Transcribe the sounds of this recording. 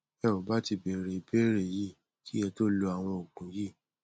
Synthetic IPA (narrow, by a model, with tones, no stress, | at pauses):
ɛ˦˨wõ˨ba˦ti˧be˨ɾe˨i˨be˦ɾe˨ji˦˨ | ki˦ɛ˧to˦lo˧a˨w̃ɔ̃˧o˨kũ˨˦ji˦˨